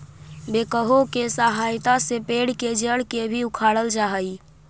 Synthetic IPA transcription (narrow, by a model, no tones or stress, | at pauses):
bekəɦokesaɦajt̪asepeɽked͡ʒəɽkebʱiukʰaɽəld͡ʒaɦəj